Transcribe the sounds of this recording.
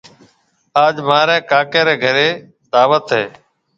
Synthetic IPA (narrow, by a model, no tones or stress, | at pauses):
aːd͡ʒmaːɾɛ̃ːkaːkeːɾeːɡʱəɾeː | d̪aːʋət̪ɦeː